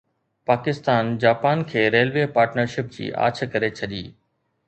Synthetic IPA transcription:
paːkɪst̪aːnd͡ʑaːpaːnkʰeːɾeːlʋeːpaːɾʈnəɾʃɪp̚d͡ʑḭːʔa̰ːt͡ɕʰkɐɾet͡ɕʰɐɗiː

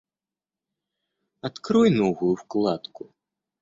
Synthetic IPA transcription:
at̪kɾɔjnɔvujuwklˠat̪ku

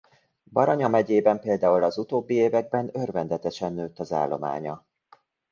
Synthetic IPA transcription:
bɒɾɒɲɒmɛɟeːbɛmpeːld̪aːulɒzut̪oːbːieːvɛɡ̚bɛnørvɛnd̪ɛt̪ɛʃɛnːøːt̪ːɒza̰ːlːo̞ma̰ːɲɒ

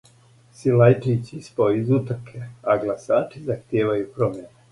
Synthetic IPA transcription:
silajtit͡ɕispoizut̪ɾkʰeaɡlasaːt͡ʃizaxt̪jeːʋajupɾo̞mjene

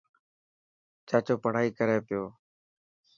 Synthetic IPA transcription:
t͡ʃaːt͡ʃoːpəɽ̤aːiːkəɾeːpɪjoː

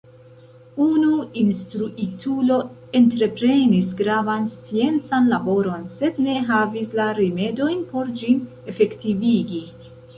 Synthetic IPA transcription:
unuinstɾuʔitʰulo̞e̞ntɾe̞pɾe̞nisɡɾavanst͡sie̞nt͡sanlabo̞ɾo̞nse̞dne̞ɦavislaɾime̞do̞jnpo̞ɾd͡ʒin | e̞fe̞ktiviɡi

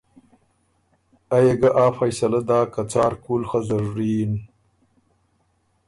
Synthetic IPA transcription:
ajeɡaʔaːfɐjsɐlad̪aːkat͡saːɾkuːlxazɐɾːiːn

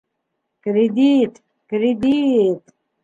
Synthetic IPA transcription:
kɾid̪it̪ | kɾid̪it̪

